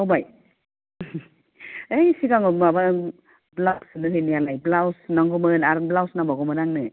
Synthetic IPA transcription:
awbaj | ejsikaŋɔmaba | blak̚sɯnɯɾinialajblawsnaŋɡɔmɯnaɾnblawsnaŋbaɡɔmɯnaŋnɯ

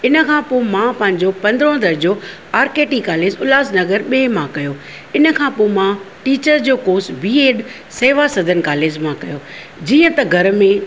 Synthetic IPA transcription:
ɪnə̆kʰãːpomãpɐ̃ɦɪ̃ɲd͡ʑopɐ̃nd̪ɾõd̪ɐɾd͡ʑoː | aːɾkeːʈikaːleːd͡ʑʊlaːsnɐɡəɾɓeːmãkɐjoː | ɪnə̆kʰãːpomãʈiːt͡ɕəɾd͡ʑoːkoːsbiːeːɖ | seːʋasɐd̪ʱənkaːleːd͡ʑmãkɐjoː | d͡ʑiːə̃t̪ɐɡʱɐɾmẽ

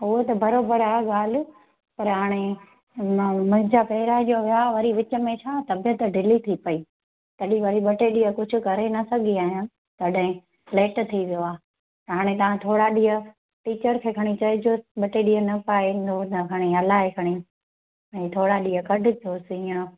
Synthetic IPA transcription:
ɦʊɦot̪ɐbɐɾoːbəɾaːɦeɠaːl̤ʊ̆ | pɐɾɦaːɽ̃e | mʊ̃ɦɪ̃ɲd͡ʑapɐɦɪɾad͡ʑoʋjaʋɐɾiʋɪt͡ɕ̆mẽt͡ɕʰaːt̪ɐbjət̪ɖɪlit̪ʰipɐiː | t̪ɐɗĩʋɐɾiɓɐʈeɗiɦəkʊd͡ʑʱʊ̆kɐɾenɐsɐɡʱiaːɦijã | t̪ɐɗɦɪ̃ | pleːʈt̪ʰiʋijoaː | ɦaːɽ̃ẽt̪ɐʋãt̪ʰoːɽaɗiːə | ʈiːt͡ɕəɾkʰeːkʰɐɽ̃it͡ɕɐɪd͡ʑoɓɐʈeɗiɦənɐpaːind̪ot̪ɐkʰɐɽ̃iɐlaːɦekʰɐɽ̃i | ɛ̃ːt̪ʰoːɽaɗiːəkɐɖʱʊ̆tʰoːsĩːə̃

